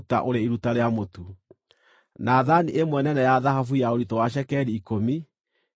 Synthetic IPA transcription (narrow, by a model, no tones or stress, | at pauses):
ta̰ʔoɾeiɾutaɾeamotu | naːðaniʔemwɛnɛnɛjaðaɦafujaoɾitɔwaʃ̬ɛkɛɾiːkomi